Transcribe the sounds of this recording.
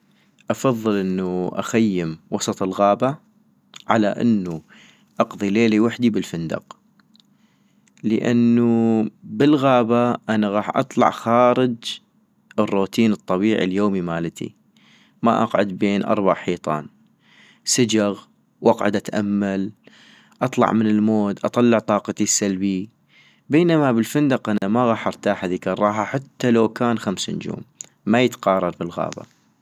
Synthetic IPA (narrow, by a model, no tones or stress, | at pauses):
ʔɑfɑðˤːɨlʔɪnːuʔa̰xajːɪmwɑsˤɑt̪ˤəlɣaːba | ʕalaʔɪ̰nːu | ʔɑqðˤileːliwaħd̪ibəlfɪnd̪ɑ̰q | ləʔa̰nːubəlɣaːbaʔanaɣɑːħʔɑ̰t̪ˤlɑ̰ʕxaːɾɪd͡ʒ | ʔɪrːuːt̪iːnɨt̪ˤːɑbiːʕḭljoːmimaːlt̪ʰḭ | ma̰ʔɑqʕʊd̪beːnʔɑ̰ɾˤbɑ̰ʕħiːt̪ˤɑ̰ːn | sɪd͡ʒaɣ | wʔɑqʕʊ̰d̪ʔat̪ʔamːal | ʔɑt̪ˤlɑ̰ʕmɪnɪlmoːd̪ʔɑt̪ˤɑlːɑʕt̪ˤɑːqɑt̪isalbi | beːnamabɪlfɪnd̪ɑqʔanamaɣaːħʔɑɾt̪aːħhaðiːkɑrˤːɑːɦaħat̪ːalawkaːnxamsnd͡ʒo̰ːmː | ajət̪qɑːrˤːɑɾˤbɪlɣa̰ːba̰